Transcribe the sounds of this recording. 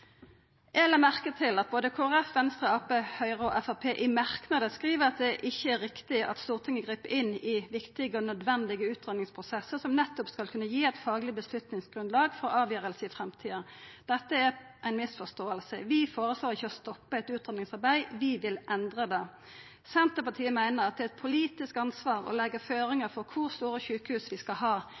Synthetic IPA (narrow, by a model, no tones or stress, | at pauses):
ʔɛːləmæʁkət̪ʰɪlɑt̪̚boːd̪əkʰoːæʁɛfʋɛnst̪ʁəɑːpehœʏʁəɔʔɛfɑpʰeːʔɪmɑʁknɑd̪əskʁiːʋəʁɑt̪̚d̪ɛʔɪçːəæʁɪkt̪ɪʔɑ̰t̪st̪uːʁt̪ʰɪŋːəɡʁiːpəʔɪnːɪʋɪkt̪ɪɡəɔnœd̪ʋɛnd̪ɪɡəʉːt̪ʁɛnnɪŋspʰʁʊsɛsːəʁsɔmnɛt̪ːɔpskɑlkʰʉnːəjiːæɪt̪fɑːɡlɪbəslʉt̪nɪŋsɡ̥ʁʉnlɑːɡfɔʁɑːʋjøːʁəlsəɪfʁɛmt̪ʰiːə | d̪̥ɛt̪ːəæɾ | ʔæɪnmɪsfɔst̪oːəlsə̰ʋɪfoːɾʁəsloːʁɪçːəɔst̪ɔpːəɛt̪ʉːt̪ʁɛnɪŋsɑʁbæɪʋɪʋɪlʔɛnd̪ʁəd̪ɛ | sɛnt̪əpɑʈtʰiːəmæɪnəʁɑt̪̚d̪ɛɛt̪̚pʰʊliːt̪ɪskɑnsʋɑːʁɔ̰lɛɡːəføːɾɪŋəfɔʁkʰʊʁst̪uːɾəçʉːkəhʉːsʋɪskɑlɦɑː